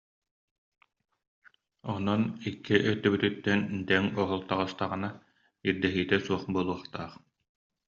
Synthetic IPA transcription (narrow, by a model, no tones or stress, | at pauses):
ɔnɔnikːiʔœt̪ːœbyt̪yt̪ːɛnd̪ɛŋɔɦɔlˠt̪aʁɯst̪aʁɯna | iɾd̪ɛɦiːt̪ɛsuɔχbulˠuɐχt̪a̰ːχ